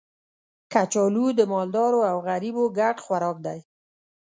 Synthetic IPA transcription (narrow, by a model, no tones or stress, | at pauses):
kat͡ʃɑlud̪əmɑld̪ɑɾoawɣaɾiboɡaʈxwaɾɑk̚d̪aj